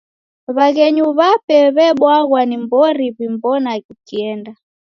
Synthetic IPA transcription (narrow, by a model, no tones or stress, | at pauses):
βaɣɛɲuβapɛβɛɓwaɣwanimbɔɾiβimbɔnaɣikiɛnda